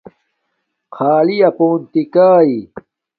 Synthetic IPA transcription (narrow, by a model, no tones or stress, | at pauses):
kʰaːlijɐpoːnt̪ikaːi